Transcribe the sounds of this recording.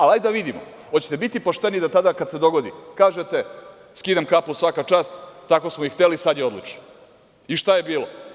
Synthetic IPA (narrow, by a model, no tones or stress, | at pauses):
alajd̪aʋid̪imo̰ | ot͡ɕet̪e̞bit̪ipoʃt̪e̞nid̪at̪ad̪akad̪se̞d̪o̞ɡo̞d̪ḭkaːʒet̪e̞ | skid̪amkapusʋakat͡ʃaːst̪ːako̞smoixt̪elisad̪jeo̞d̪lˠut͡ʃno̥ | iʃt̪aje̞biːlo